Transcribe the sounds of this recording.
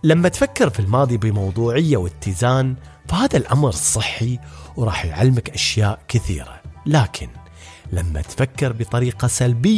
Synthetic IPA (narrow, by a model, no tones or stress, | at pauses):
lamːat̪fakːɪɾfilmɑːðˤibɪmɑwðˤuːʕɪjːawɪt̪ːɪzaːn | fahaːðalʔamɾsˤɨħːiwɾˤɑ̰ːħjʕa̰lːmaɪkʔaʃjaːʔkɪθḭːɾa̰laːkʰɪn | lamːa̰t̪fakːɪɾbɨt̪ˤɑɾiːqɑsalbɪjː